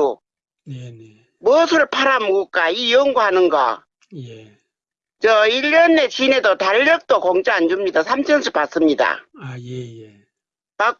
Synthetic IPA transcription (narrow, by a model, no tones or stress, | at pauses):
o | nee | muʌsʰɯɯɭpʰaɾamook͈aijʌŋɡohanɯnɡʌ̰ | je | t͡ɕʌiʎːʌnːe̞t͡ɕine̞dotaʎːʌk̚t͈okʌŋt͡ɕaand͡ʑumɲidasʰamt͡ɕʰʌnsʰɯp͈as͈ɯmɲida̰ajeje | pa